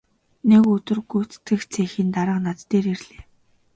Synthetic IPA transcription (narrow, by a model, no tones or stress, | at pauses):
neɣɵt̪ɵ̆rɡujʰt͡st̪ɘ̆xt͡sʰeːxiːnt̪aɾə̆qnat͡s̪ːeːɾerɮeː